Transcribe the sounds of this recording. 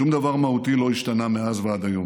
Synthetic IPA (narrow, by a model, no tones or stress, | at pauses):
umd̪avaʁmahut̪ilo̞iʃt̪anameazvead̪aju